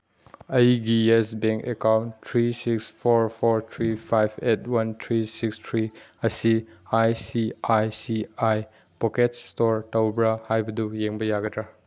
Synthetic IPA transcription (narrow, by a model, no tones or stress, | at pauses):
ɐjɡiesbeŋkekawntʰɾisikspʰoɾpʰoɾt̪ʰɾipʰajbʰetwɐntʰɾisikstʰɾiɐsiajsiajsiaj | poketstoɾtawbɾahajbɐdujeŋbɐjaɡɐdɾa